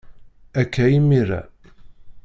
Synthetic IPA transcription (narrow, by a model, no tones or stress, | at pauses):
ækːæjimːiɾæ̰